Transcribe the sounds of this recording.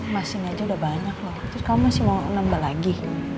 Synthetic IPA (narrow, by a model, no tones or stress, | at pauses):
masɪŋad͡ʒaudahbaɲak̚laht̪ʊskamusɪmanambalaɡi